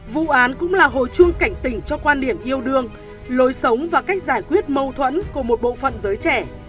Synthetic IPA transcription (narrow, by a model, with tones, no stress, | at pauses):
vṵ˧˨ʔaː˨˦nkʊ̰˧˥ŋ͡mlaː˨˩ɦo̰˧˨jt͡ɕɨ˧əŋka˧˩jŋ̟t̪ï˧˩ŋ̟t͡ɕɔ˧kwaː˧nɗi˧˩əmʔi˧əwɗɨ˧əŋ | lo˨˦jsə˨˦wŋ͡mvaː˨˩ka˦˥jk̟̚zaː˧˩jkwi˦˥ət̚mə˧wt̪ʰwə̰˧˥nku˧˩əmo˨˩t̚ɓo̰˧˨fə̰˧˨nzəː˨˦jt͡ɕɛ˧˩